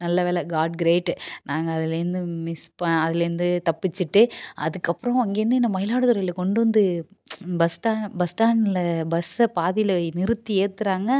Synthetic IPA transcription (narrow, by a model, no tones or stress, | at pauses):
nɐlːɐʋeːlɛɡaːʈɡɾeːʈːnaːŋɡɐːðɪlɾɯnd̪ɯmɪspɐɐðɪlɾɯnd̪ɯt̪ɐpːɪt͡ʃːɯʈːɯɐ̰ðɯkːɐpːɯɾɐ̃ɐŋɡeːɾɯnd̪ɯɪnːɐmɐjɪlaːɽɯt̪ʊɾɐjɪlɐkɔɳɖɯʋɐnd̪ɯ | bɐsʈaːbɐsʈaːnlɐbɐsɐpaːðɪjlɐnɪɾɯt̪ːieːt̪ːɯɾaːŋɡɐ